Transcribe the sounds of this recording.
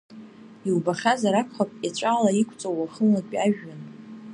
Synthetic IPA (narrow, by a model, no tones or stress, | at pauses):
iwbaχʲazaɾapʰχʷapʼjat͡ʃʷʼaːlaikʷʰʼt͡sʼowaχəakʼaʒᶣːan